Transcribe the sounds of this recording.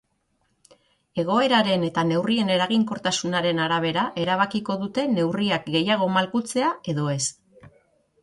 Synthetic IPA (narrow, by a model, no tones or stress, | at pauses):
e̞ɣ̞o̞e̞ɾaɾe̞ne̞t̪ane̞wrie̞ne̞ɾaɣiŋko̞ɾt̪asunaɾe̞naɾaβ̞e̞ɾaʔe̞ɾaβ̞akiko̞ðut̪e̞ne̞wriak̚ɡe̞jaɣ̞o̞malkut͡se̞ae̞ðo̞e̞s